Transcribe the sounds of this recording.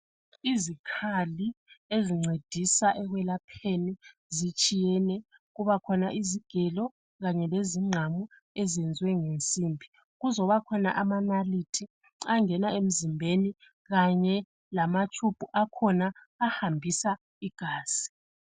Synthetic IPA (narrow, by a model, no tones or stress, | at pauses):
izikʰalieziŋ͡ǀed̥ʱisaʔɛɣwɛlapʰeni | zit͡ʃʼijɛnɛ | ɣuβakʰɔnaʔiziɡ̥ʱɛlɔ | ɣaɲɛleziŋ͡ǀʱamu | ezɛnd͡zʱwɛŋent͡sʼiːmbʱi̥ | ɣuzɔβakʰɔna̰ʔamanalitʰi | aŋɛnaem̩zimbʱeni | ɣaɲɛ | lamat͡ʃʰʼub̥ʱuʔakʰɔnaː | hambʱisa | iɡ̥ʱaːsi̥